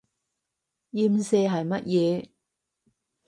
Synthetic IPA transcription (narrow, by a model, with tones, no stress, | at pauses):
ji˧msɛː˧ɦɐ˨jmɐ˦˥t̚jɛː˨˧